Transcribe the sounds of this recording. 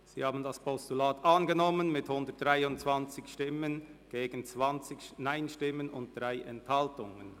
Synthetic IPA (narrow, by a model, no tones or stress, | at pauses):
z̥iːhaːbn̩daspʰɔstulaːtʔɑnɡənɔmənmɪthʊndət̚d̥ʁaɪʊntt͡sv̥ɑnt͡sɪçʃtɪmənɡ̥eːɡ̥ən̩t͡svɑnt͡sɪçnaɪnʃtɪmːənʊnt̚d̥ʁaɪʔɛnthɑltʊŋən